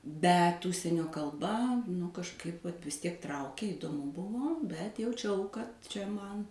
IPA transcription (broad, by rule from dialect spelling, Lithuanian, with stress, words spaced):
ˈbʲɛt ˈʊʃʲsʲiɛnʲoː kɐlˠˈbɐ nʊ kɐʃˈkɐɪp ʋɐt ʋʲɪs ˈtʲiɛk ˈtrɐʊkʲeː ɪdoːˈmʊ ˈbʊʋoː ˈbʲɛt jɛʊˈt͡ʃʲɛʊ kɐt t͡ʃʲɛ ˈmɐn